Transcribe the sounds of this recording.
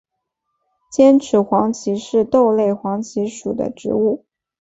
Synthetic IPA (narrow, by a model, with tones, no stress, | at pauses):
t͡ɕjɛ˥nʈ͡ʂʰɻ̩˧˥xwɑ˧˥ŋt͡ɕʰi˧˥ʂɻ̩˥˧t̪o˥˧ʊle˥˩ɪxwɑ˧˥ŋt͡ɕʰi˧˥ʂu˨˩d̪ə̰˦ʈ͡ʂɻ̩˧˥u˥˩